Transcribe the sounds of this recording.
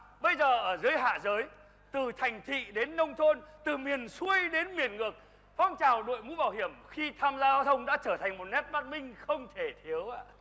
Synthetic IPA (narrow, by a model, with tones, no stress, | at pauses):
ɓə˧jzəː˨˩ʔəː˧˩zəː˨˦jɦa̰ː˧˨zəː˨˦j | t̪ɨ˨˩t̪ʰa˨˩jŋ̟t̪ʰḭ˧˨ɗe˨˦nːə˧wŋ͡mt̪ʰo˧nt̪ɨ˨˩mi˨˩ənsu˧əjɗe˨˦nmi˨˩ənŋɨ˨˩ək̚ | fɔ˨˦wŋ͡mt͡ɕaː˨˩wɗo̰˧˨jmṵ˧˥ɓaː˧˩whi˧˩əmxi˧t̪ʰaː˧mzaː˧zaː˧wt̪ʰə˧wŋ͡mɗa̰ː˧˥t͡ɕəː˧˩t̪ʰa˨˩jŋ̟mo˨˩t̚nɛ˦˥t̚ɓaː˦˥t̚mï˧ŋ̟xə˧wŋ͡mt̪ʰe˧˩t̪ʰi˨˦əwʔa̰ː˧˨